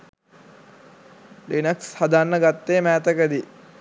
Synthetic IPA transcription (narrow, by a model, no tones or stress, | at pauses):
linɐkshad̪anːəɡat̪ːeːmæːt̪əkəd̪i